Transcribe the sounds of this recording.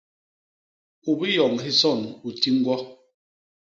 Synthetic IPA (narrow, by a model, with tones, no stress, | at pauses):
u˨bi˦jɔ˨ŋɦi˦sɔ˦˨nu˨ti˦ŋ̩˦ɡwɔ˦